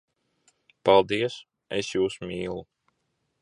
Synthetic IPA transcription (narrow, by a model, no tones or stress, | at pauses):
palˠd̪iɛs | ɛsjuːsmʲiːlˠu